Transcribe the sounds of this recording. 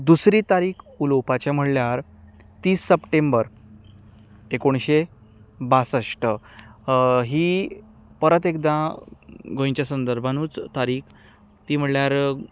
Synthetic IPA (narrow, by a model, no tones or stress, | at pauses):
d̪usɾiːt̪aɾiːkʰulowpat͡ɕam̤əɽljaɾ | t̪iːsːəpʈembəɾ | ekoɳɕe | basəʂʈə | ɦiː | pəɾət̪ekd̪ã | ɡʱõjɲt͡ɕjasənd̪əɾbʱanuːt͡st̪aɾiːkʰ | t̪iːm̤əɽljaɾ